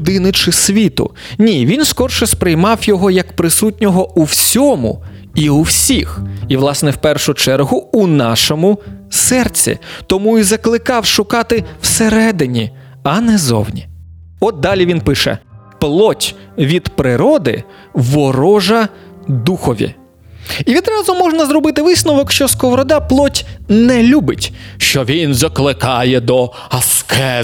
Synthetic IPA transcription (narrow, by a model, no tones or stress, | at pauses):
d̪ɪnɪt͡ʃɪsʲʋʲit̪ʊ̰nʲiʋʲinskɔrʃɛspɾɪjmɑwjɔɦɔjɐkpɾɪsutʲnʲɔɦɔuwsʲɔmʊ̰ | iuwsʲixiʋlˠɑsnɛwpɛrʃʊt͡ʃɛɾɦʊʊnɑʃɔmʊsɛrt͡sʲḭt̪ɔmuizɐklˠɪkɑwʃʊkɑt̪ɪw̥seɾɛd̪ɪnʲi | ɐnɛzɔ̰wnʲḭ | ɔt̪̚d̪ɑlʲiʋʲinpɪʃɛ̰ | plˠɔtʲ | ʋʲid̪pɾɪɾɔd̪ɪ̰ | ʋɔɾɔʒɐ | d̪uxɔʋʲḭ | iʋʲid̪ɾɑzʊmɔʒnɐzɾɔbɪt̪ɪʋɪsnɔʋɔkʃt͡ʃɔskɔɦɔɾɔd̪ɑplˠɔtʲnɛlʲubɪtʲʃt͡ʃɔʋʲinzɐklˠɪkɑjɛd̪ɔ | ɐskʰɛ